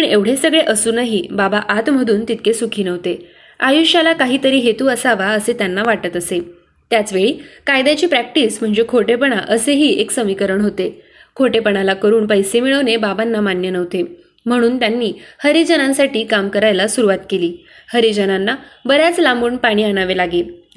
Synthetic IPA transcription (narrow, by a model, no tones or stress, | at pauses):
pəɳeʋɽ̤esəɡɭeʔəsuːnaɦiːbabaʔat̪m̤əd̪ʱuːnt̪it̪̚kʰesukʰiːnəʋt̪e | ajuɕjalakaɦiːt̪əɾiːɦet̪uːəsaʋaəset̪janːaʋaʈət̪əse | t̪jat͡sʋeɭiːkajd̪at͡ɕiːpɾæk̚ʈism̤əɳd͡zekʰoʈepəɳ̃aʔəseɦiːeksəmikəɾəɳɦot̪e | kʰoʈepəɳ̃alakəɾuːɳpəjsemiɭəʋnebabanːamanjənəʋt̪e | m̤əɽ̃uːnt̪janːiːhəɾid͡ʑənãnsaʈiːkamkəɾajlasuɾuʋat̪keliː | həɾid͡ʑənanːabəɾjat͡slambuːɳpaɽ̃iːaɽ̃aʋelaɡe